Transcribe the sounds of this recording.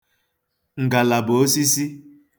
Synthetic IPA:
ŋ̩˨ɡa˨la˨bo˨˦si˦si˦

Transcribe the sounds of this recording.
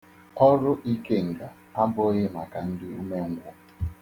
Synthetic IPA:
ɔ˦ɾʊ˦ʔi˦ke˦˨ŋ̩˨ɡa˨ | pa˦m˦bo˦je˦˨ma˨ka˨n̩˦dɪ˦u˦me˦ŋ˦ɡʷʊ˦

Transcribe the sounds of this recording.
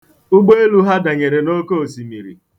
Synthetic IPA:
ʊ˦ɡ͡bo˦e˦lu˦ɦa˦da˨ɲe˨ɾe˨no˦ko˦o˨si˨mi˨ɾḭ˨

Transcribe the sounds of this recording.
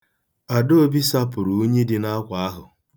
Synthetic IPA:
a˨do˦o˦bi˦sa˦pʊ˨ɾu˨u˦ɲe˦dɪ˨na˦kʷa˨a˦ɦʊ˨

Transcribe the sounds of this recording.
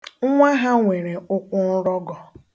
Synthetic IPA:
ŋ̩˦ŋʷa˦ɦa˦ŋʷe˨ɾe˨ʊ˦kʷʊ˦n̩˦ɾɔ˦ɡɔ˨

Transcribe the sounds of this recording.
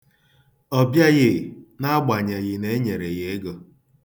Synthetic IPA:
ɔ˦bja˦ɣɪ˦na˦ɡ͡ba˨ɲa˨ɣɪ˨ne˦ɲe˨ɾe˨ɣe˨˦e˦ɡɔ˨

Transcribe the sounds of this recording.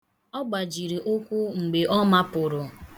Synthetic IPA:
ɔ˦ɡ͡ba˨d͡ʒi˨ɾi˨ʔo˦kʷu˦ŋ͡m̩˨ɡ͡be˨ʔɔ˦ma˦pʊ˨ɾʊ˨

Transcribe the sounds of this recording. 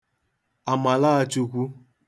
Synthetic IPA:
a˨ma˨la˦a˨t͡ʃu˨kʷu˦

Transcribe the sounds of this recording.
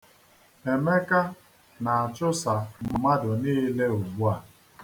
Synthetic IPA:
e˨me˦ka˦ | na˨a˨t͡ʃʊ˦sa˨m̩˨ma˦dʊ˨niː˦le˦u˨ɡ͡bu˦a˨

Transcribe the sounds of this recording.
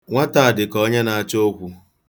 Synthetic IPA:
ŋʷa˦ta˨a˨dɪ˨kɔ˦ɲe˦na˨a˨t͡ʃo˦kʷu˨

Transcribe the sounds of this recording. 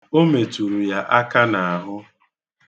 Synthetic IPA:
o˦me˨tu˨ɾu˨ja˦ʔa˦ka˦na˨a˨ɦʊ˦

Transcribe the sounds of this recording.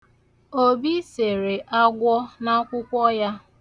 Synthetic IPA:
o˦˨bi˦se˨ɾe˨ʔa˦ɡʷɔ˦na˦kʷʊ˦kʷɔ˦ja˦

